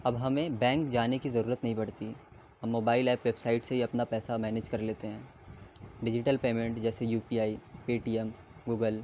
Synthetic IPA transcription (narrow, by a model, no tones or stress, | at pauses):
ɐbɦɐmẽbɛ̃ːŋk̚d͡ʒaːnekizɐɾuːɾət̪nɐɦĩbɐɽt̪i | hɐmːoːbaːɪlɛːpʋebsaːɪʈsebʱiɐpnapɛːsamɛːned͡ʒkɐɾleːt̪eɦɛ̃ː | ɖɪd͡ʒɪʈəlpeːmẽɳʈd͡ʒɛːsejuːpiːaːipeːʈiːɛm | ɡuːɡəl